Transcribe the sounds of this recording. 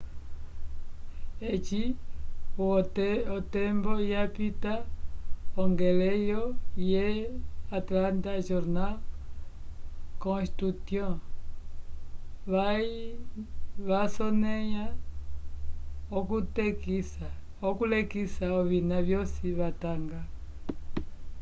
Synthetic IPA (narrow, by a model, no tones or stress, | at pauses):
et͡ʃi | ɔtɛmbɔjapita | ɔŋɡelejojeatlantaʒɔɾna | kɔ̃st̪ɾut̪jɔ̃ | βai | βasɔneja | ɔkutɛkisa | okulɛkisaɔβinaβjɔsiβataŋɡa